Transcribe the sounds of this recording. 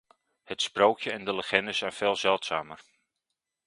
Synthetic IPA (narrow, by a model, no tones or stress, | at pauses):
hətsprowkjəɛndələχɛndəzɛjnv̥eːlˠzɛlˠtsaːmər